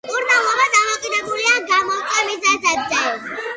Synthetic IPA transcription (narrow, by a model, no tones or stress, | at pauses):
uɾnalˠɔbad̪amɔqʼid̪ɛbuliaɡamɔt̪ʼimizazad̪zɛ